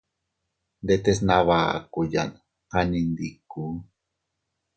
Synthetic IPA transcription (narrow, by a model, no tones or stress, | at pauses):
nd̪et̪es̬naβa̰kuja̰n | qanind̪iku